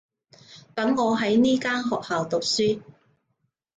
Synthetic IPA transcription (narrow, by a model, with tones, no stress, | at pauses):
t̪ɐ˨˥ŋːɔː˨˧ɦɐ˨˥jniː˥kaː˥nɦɔː˨k̚haː˨wt̪ʊ˨k̚syː˥